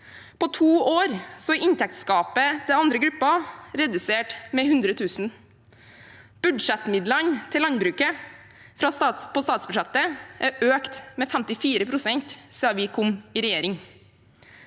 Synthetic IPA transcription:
pɔːt̪ʰuːoːɾsɔɪnt̪ɛk̚t̪skɑːpət̪ʰɪlɑnd̪ɾəɡɾʉpːɑɾɛd̪ʉseːʈmɛhʉnd̪ɾət̪ʰʉːsn̩ | b̥ʉɖ̪ʂɛt̪mɪd̪lənt̪ʰɪlɑnbɾʉːkə | fɾɑsɑpɔːst̪ɑːt̪sbʉʂɛt̪əʔæɾʔøːkt̪mɛːfæmt̪ɪfiːɾəpʰɾʊsɛnt̪seːɑʋɪkʰʊmɪːɾɛjeːɾɪŋ

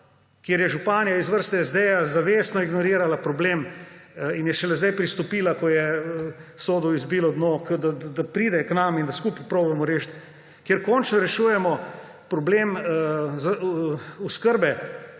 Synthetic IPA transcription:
kjeɾjɛʒupaːnijaizʋəɾst̪ɛɛzd̪ɛjazaʋeːsnɔiɡnɔɾiːɾalapɾɔbleːm | injɛʃɛlɛzd̪ajpɾist̪ɔpiːlakɔjɛ | soːd̪ɔizbiːlɔd̪nokəd̪ad̪apɾiːd̪ɛknamind̪askuppɾoːbɛmɔɾeːʃt̪ | kjeɾkɔnt͡ʃnɔɾɛʃuːjɛmɔ | pɾɔbleːmzauskəɾbɛ

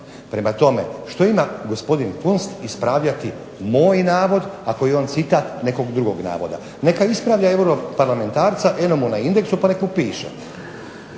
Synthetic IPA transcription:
pɾe̞mat̪o̞mḛʃt̪o̞imaɡo̞spo̞d̪infunst̪ispɾaːʋʎat̪i | mo̞ːjnaːʋo̞d̪ako̞jeo̞ːnt̪sit̪aːt̪ne̞ko̞ɡd̪ɾuɡoɡna̰ːʋo̞̰d̪a̰ | ne̞kaispɾaʋʎaewɾopaɾlame̞nt̪aːɾt̪saʔenomunaind̪e̞ksupanekmupiːʃḛ

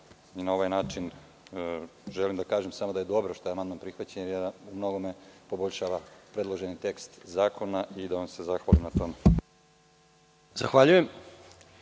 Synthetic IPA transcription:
inao̞ʋajnaːt͡ʃin | ʒelimd̪akaːʒemsamo̞d̪aje̞d̪o̞bɾoʃt̪ojeamand̪manpɾixʋat͡ɕeɲeɾumno̞ɡo̞mepo̞boʎʲʃaːʋapɾe̞d̪lˠo̞ʒe̞nit̪e̞kst̪zaːkʰo̞naid̪aʋanse̞zaxʋalimnat̪o̞me | z̥axʋaʎujem

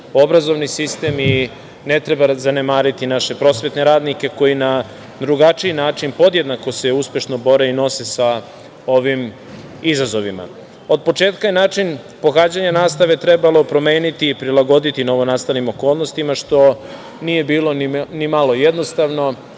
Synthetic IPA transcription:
o̞bɾazo̞ʋnisist̪e̞mi | ne̞t̪ɾe̞bazane̞maːɾit̪inaʃe̞pɾo̞sʋe̞t̪ne̞ɾaːd̪nike̞ko̞jina | d̪ɾuɡat͡ʃiinaːt͡ʃinpo̞d̪jed̪nako̞se̞uspʲje̞ʃno̞bo̞ɾe̞ino̞se̞sa | o̞ʋim | izazo̞ʋima̰ | o̞d̪̚po̞t͡ʃe̞ːt̪kajenaːt͡ʃin | po̞xaːd͡ʑaɲanaːst̪aʋet̪ɾe̞balo̞pɾo̞me̞ːnit̪iːpɾilaɡo̞d̪it̪ino̞ʋo̞naːst̪alnimo̞ko̞ːlˠno̞st̪imaʃt̪o̞ | nije̞biːlo̞nimalo̞jed̪no̞st̪aʋno̞

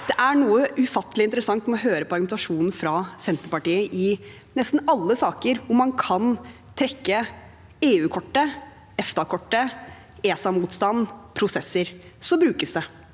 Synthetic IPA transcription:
d̪̥ɛʔæɳuːəʔʉfɑt̪ːəlɪnt̪əɾəsɑŋt̪mɛɔɦøːɾəpʰɔɑɾɡʉmɛnt̪ɑʂuːnn̩fɾɑsɛnt̪əɾpɑʈiːəʔɪ | nɛst̪n̩ɑlːəsɑːkəɾʊmːɑnkʰɑn | t̪ʰɾɛkːə | eːʉːkʰɔʈːə | ɛft̪ɑkʰɔʈːə | eːsɑmuːt̪st̪ɑnːpʰɾʊsɛsːəɾ | sɔbɾʉːkəsd̪ɛ

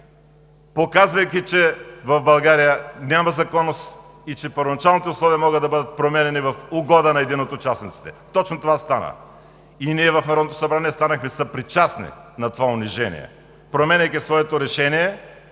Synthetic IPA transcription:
pokazvɐjkʲit͡ʃɛvɐvbɐlˠɡaɾijənʲamɐzɐkɔnːost̪ | it͡ʃɛpəɾvonɐt͡ʃalˠnit̪ɛʊslˠɔviɐmɔɡəd̪ɐbɤd̪ət̪̚pɾomɛnɛnivɐfʊɡɔd̪ənɐɛd̪inot̪ot͡ʃasnit̪si̥t̪ɛt̪ɔt͡ʃnot̪ovast̪anə̰ | iniɛvɐfnɐɾɔd̪not̪osɐbɾaniɛst̪anɐxmɛsɐpɾit͡ʃasnḭnɐt̪ovaʊniʒɛnḭjɛ̰ | pɾomɛnʲɐjkisvɔɛt̪oɾɛʃɛniɛ

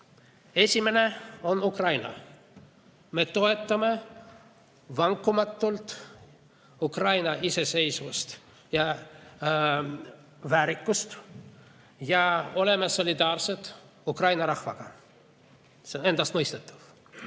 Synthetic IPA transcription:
e̞sʲime̞ne̞o̞nukrɑjnɑ̰ | me̞t̪o̞et̪ːɑme | vɑŋkːˑumɑt̪ːult̪ | ukrɑjnɑise̞se̞jsvust̪ | jɑ | væːɾikːust̪ | jɑo̞le̞meso̞lʲid̪ɑːrse̞t̪ukrɑjnɑɾɑhvɑɡ̥ɑ | sene̞nd̪ɑst̪mojst̪et̪ːˑu̥v̥

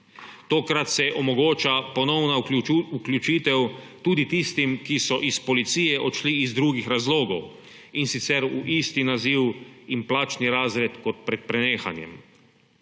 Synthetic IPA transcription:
t̪oːkɾat̪sɛʔɔmɔɡoːt͡ʃapɔnɔwnauklʲjut͡ʃiːt̪ɛwt̪uːd̪it̪ist̪imkisɔʔispɔlit̪siːjɛʔɔt̪ʃliːzd̪ɾuːɡixɾazloːɡɔw | insit̪sɛɾuʔiːst̪inaziːwimplaːt͡ʃniɾaːzɾɛt̪kɔt̪pɾɛt̪̚pɾɛneːxa̰njɛ̰m

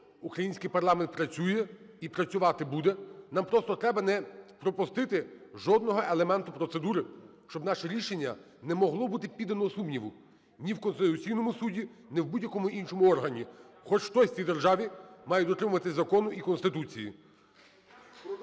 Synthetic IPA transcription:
ukɾɐjinʲsʲkɪjpɐrlˠɑment̪pɾɐt͡sʲujɛ | ipɾɐt͡sʲʊʋɑt̪ɪbud̪ɛnɑmpɾɔst̪ɔt̪ɾɛbɐnɛpɾɔpʊst̪ɪt̪ɪʒɔd̪nɔɦɔʔelˠemɛnt̪ʊpɾɔt̪sed̪uɾɪ | ʃt͡ʃɔbnɑʃɛɾʲiʃenʲːɐ̰ | nɛmɔɦlˠɔbut̪ɪpʲid̪ɐnɔɔsumnʲiʋʊ | nʲiwkɔnst̪ɪt̪ʊt͡sʲijnɔmʊsudʲinɪwbudʲjɐkɔmʊʔinʃɔmʊɔrɦɐnʲi | xɔt͡ʃxt̪ɔsʲt͡sʲijd̪erʒɑʋʲimɑjʊd̪ɔt̪ɾɪmʊʋɐt̪ɪzɐkɔnʊʔikɔnst̪ɪt̪ut͡sʲijḭ

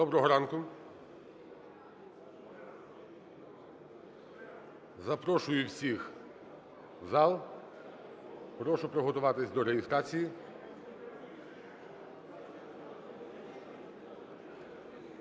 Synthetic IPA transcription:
d̪ɔbɾɔɦɔɾɑnkʊ | zɐpɾɔʃʊjʊwsʲix | wzɑlˠ | pɾɔʃʊpɾɔɦɔt̪ʊʋɑt̪ɪsʲd̪ɔɾeɦʲɪst̪ɾat͡sʲiji

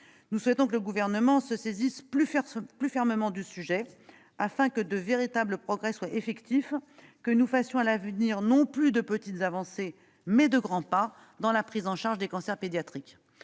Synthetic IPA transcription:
nuswɛt̪ɔ̃kələɡuvɛʁnəmɑ̃səsezispyplyfɛʁməmɑ̃d̪ysyʒɛ | afɛ̃kəd̪əveʁit̪abləpχɔɡʁɛswaefɛkt̪if | kənufasjɔ̃alavniʁnɔ̃plyd̪əpət̪it̪zavɑ̃se | mɛd̪əɡʁɑ̃pa | d̪ɑ̃lapχizɑ̃ʃaʁʒd̪ekɑ̃sɛʁped̪jat̪χik

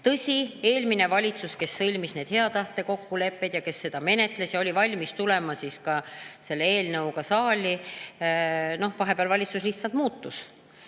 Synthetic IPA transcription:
t̪ɤsʲie̞ːlmine̞vɑlʲit̪suske̞sːɤlʲmisne̞ːd̪̥he̞ɑt̪ɑht̪e̞ko̞kːule̞pːe̞d̪̥jɑke̞sːe̞d̪̥ɑme̞ne̞t̪ˑle̞sjɑo̞lʲivɑlʲmist̪ule̞mɑsiːskɑse̞lːeeːlnɤwɡɑsɑːlʲi | no̞hvɑɦe̞peɑlvɑlʲit̪susliht̪sɑlt̪̚muːt̪ːus

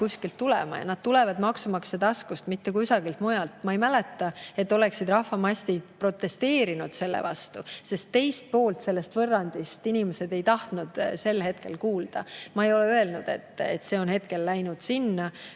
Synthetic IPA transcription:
kuskilt̪ːulɛ̰mɑ̰jɑ̰nɑd̪̥̚t̪ulevɑd̪mɑksumɑksed̪ɑskust̪mit̪ːekuysɑɡilt̪mujɑlt̪mɑejmælet̪ːˑɑe̞t̪ːˑo̞le̞ksid̪rɑhvɑmɑsʲt̪id̪̥pro̞t̪ːˑe̞st̪e̞ːɾinud̪̥se̞lːḛvɑst̪use̞st̪ːe̞jst̪̚po̞ːlt̪se̞lːe̞st̪vɤrːɑnd̪̥ist̪inimese̞d̪e̞jt̪ɑht̪nud̪̥se̞lːhe̞t̪ke̞̰lkuːld̪̥ɑ̰mɑejo̞leøe̞lnud̪̥e̞̰t̪ːˑḛt̪se̞ːo̞nhe̞t̪ke̞lːæjnud̪̥sinːɑ

